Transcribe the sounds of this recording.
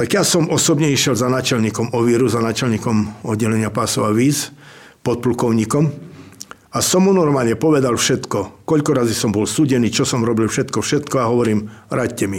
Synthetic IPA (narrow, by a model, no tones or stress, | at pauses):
t̪aɡjasɔmɔsɔbɲɛiʃjɛlzanaːt͡ʃɛʎɲiːkɔmɔʋiɾuzanaːt͡ʃɛlɲiːkɔmɔd̪ɟɛlɛɲɪapasɔʊaʋiːz | pɔt̪̚plukɔʊɲiːkɔm | asɔmːunɔɾmaːlɲɛpɔʋɛd̪alfʃɛt̪kɔkɔʎkɔɾazisɔmbɔlsuːɟɛniːt͡ʃɔsɔmɾɔbilfʃɛt̪kɔfʃɛt̪kɔaɦɔʋɔɾiːmɾatcɛmi